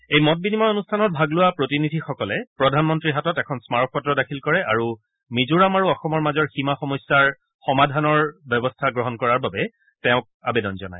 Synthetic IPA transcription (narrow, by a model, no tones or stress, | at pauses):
ejmɔt̚binimɔonustʰanɔt̚bʱaɡlʊwapɹotinidʱixɔkɔlɛpɹɔdʱanmɔntɹiɦatɔtɛkʰɔnsmaɹɔk̚ʰpɔtɹɔdakʰilkɔɹɛʔaɹu | mizuɹamaɹuɔxɔmɔɹmazɔɹximaxɔmɔsːaɹ | xɔmadʱanɔɹbjɔbɔstʰaɡɹɔɦɔnkɔɹaɹbabɛ | tɛʊ̃k̚a̰bɛdɔnzɔna̰j